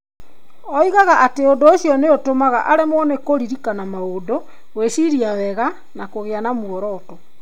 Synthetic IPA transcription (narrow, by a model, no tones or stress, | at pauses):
ɔiɣaɣaʔateondooʃjɔneotomaɣaʔaɾemɔnekoɾiɾikanamaodo | weʃiɾiawɛɣa | nakoɣeanamwɔɾɔtɔ